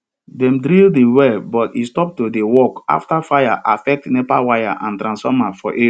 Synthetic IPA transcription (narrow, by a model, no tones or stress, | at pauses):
dɛ̃mdɾildewɛlbɔtistɔp̚todewɔka̰ftafajaʔafɛk̚tnɛpawaja̰ʔãntɾãnsfɔmafɔʔe